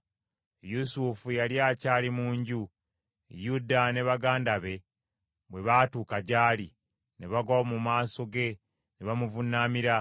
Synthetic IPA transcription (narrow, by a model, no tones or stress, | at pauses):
jusufujaljaːcaːlimuːɲɟu | judane̞βaɡaːndaβe̞ | βwe̞βaːtuːkaɟaːli | neβaɡamumaːso̞ɡe̞ | neβamuvunːamiɾa